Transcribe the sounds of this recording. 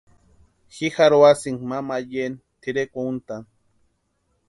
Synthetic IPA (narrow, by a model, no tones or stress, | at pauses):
xixaɾoasiŋmamajen | t̪iɾekount̪aŋ